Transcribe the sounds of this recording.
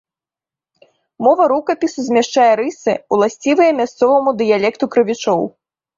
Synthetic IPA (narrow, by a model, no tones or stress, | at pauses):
mɔvɐɾukɐpʲisuzʲmʲɛʂt͡ʂajɛɾɨsɨ̰ulˠasʲt͡sʲivɨjɐmʲast̪sɔvɐmud̪ɨjalʲɛkt̪ukɾɨvʲit͡ʂɔw